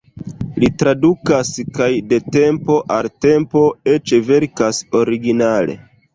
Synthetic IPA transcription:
litɾadukaskajde̞te̞mpo̞ʔalte̞mpo̞et͡ʃve̞ɾkaso̞ɾiɡinale̞̰

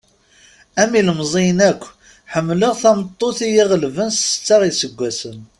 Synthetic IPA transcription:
æmiləmzˤinækʷː | ħəmːləʁθæmt̪ˤːoθijiʁəlvənsə̥t͡sːɑʁisəɡʷːæsən

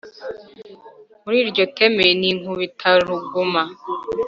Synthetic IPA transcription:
muɾiːɾɟotemeniŋuβitʰaɾuɡuma

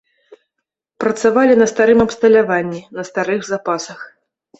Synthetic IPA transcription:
pɾɐt̪savalʲinɐst̪aɾɨmɐpst̪ɐlʲavanʲːinɐst̪aɾɨɣzapasɐx

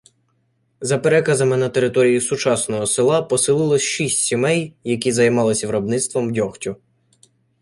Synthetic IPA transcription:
zɐpeɾɛkɐzɐmɪnɐt̪e̞ɾɪt̪ɔɾʲijisʊt͡ʃɑsnɔɦɔsɪlˠɑpɔsɪlˠɪlˠɔsʲʃisʲtʲsʲimɛjjɐk̬ʲizɐjmɑlˠɪsʲɐʋɾɔbnɪt̪st̪ʋɔmdʲɔxtʲʊ

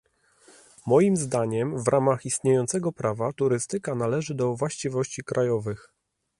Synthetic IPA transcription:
mɔjimzd̪aɲɛmvɾʔamaxist̪ɲejɔnt̪sɛɡɔpɾavat̪uɾɘst̪ɘkanalɛʐɘd̪ɔvwaɕt͡ɕivɔɕt͡ɕikɾʔajɔvɘx

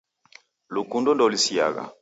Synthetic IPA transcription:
lukundɔndɔlisia̰ɣa̰

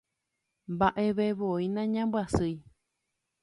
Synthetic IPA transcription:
mbaʔeʋeʋoinãɲãmbwasɨj

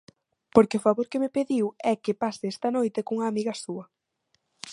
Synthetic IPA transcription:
poɾkeɪʊfaβoɾkemepeðiwɛkepasɪɛst̪ɐnojt̪ekuŋɐːmiɣɐsuɐ

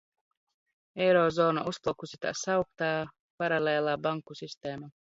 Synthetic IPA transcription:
ewɾoːzoːna̰ʔusplˠɔkusʲit̪a̰sɑwkt̪ɑː | pɑɾɑleːlˠɑːbɑŋkːusist̪eːmɑ

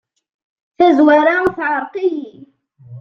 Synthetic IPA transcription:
θazwaɾaθʕɑɾˤqɪhɪ

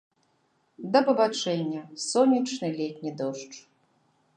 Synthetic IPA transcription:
d̪ɐbɐvat͡ʂɛnʲːɐsɔnʲit͡ʂnɨlʲɛtʲnʲid̪ɔʂt͡ʂ

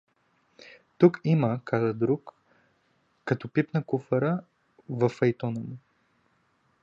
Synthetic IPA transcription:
t̪ukiməkazəd̪ɾuk | ɐt̪ɔpipnəkufɐɾə | vɐfɐjt̪ɔnəmʊ

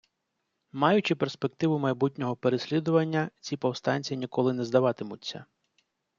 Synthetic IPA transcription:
mɑjʊt͡ʃɪperspe̞k̚t̪ɪʋʊmɐjbutʲnʲɔɦɔpeɾesʲlʲid̪ʊʋɐnʲːɐt͡sʲipɔwst̪ɑnʲt͡sʲiinʲikɔlˠɪnɛzd̪ɐʋɑt̪ɪmʊtʲt͡sʲːɐ̰

